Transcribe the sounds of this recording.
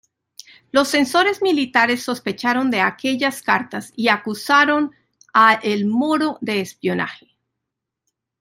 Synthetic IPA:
lo̞sːe̞nso̞ɾe̞zmilit̪aɾe̞sːo̞spe̞t͡ʃaɾo̞nd̪e̞ake̞ʝaskaɾt̪asiakusaɾo̞n | aʔelmo̞ɾo̞ðe̞ːspjo̞na̰xe̞̥

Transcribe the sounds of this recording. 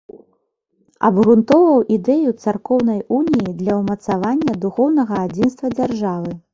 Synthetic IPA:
ɐ̰bɣɾunt̪ɔvɐwʔid̪ɛjut̪sarkɔwn̪ɐjʔunʲijid̪lʲɐwmɐt̪savanʲːɐd̪uxɔwnɐɣɐad͡zʲinst̪vɐd͡zʲarʐavɨ

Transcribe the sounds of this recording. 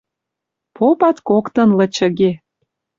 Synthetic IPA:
popɑt̪kokt̪ɤ̆nlə̆t͡ɕə̆ɣe

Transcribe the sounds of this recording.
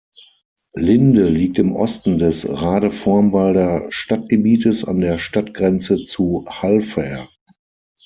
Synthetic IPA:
lɪndəliːk̚tɪmʔɔ̰stn̩dɛsʁaːdəfɔɐmvaldɐʃtat̚ɡ̥əbiːtəsa̰ndeːɐʃtatɡ̥ʁɛnt͡sət͡suhalfɛɐɐ

